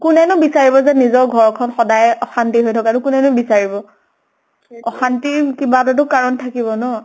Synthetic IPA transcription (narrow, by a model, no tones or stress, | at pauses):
kʊnɛnʊbisaɹibɔzɛnizɔɹɡʱɔɹkʰɔnxɔdajɔxantiɦojtʰɔkanʊkʊnɛnʊbisaɹibɔ | ɔxantikibatɔt̬ʊkaɹɔntʰakibɔnɔ